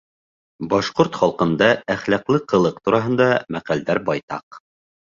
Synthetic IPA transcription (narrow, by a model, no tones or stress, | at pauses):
bɑʃqoɾt̪χɑlˠqɤ̆nd̪ɑæχlæqlˠɤqɤ̆lˠɤq̚t̪uɾɑɦɤ̆nd̪ɑmæqæld̪æɾbɑjt̪ɑ̰q